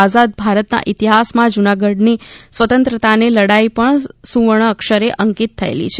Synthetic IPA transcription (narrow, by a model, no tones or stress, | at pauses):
azad̪̚bʱaɾət̪na̰ʔɪt̪iɦasmãd͡ʒunaɡəɖnisʋət̪ə̃nt̪ɾət̪aneləɽaipəɳsuʋəɳ̃əkʃəɾeʔəŋkit̪ʰːəḛlḭt͡ʃʰe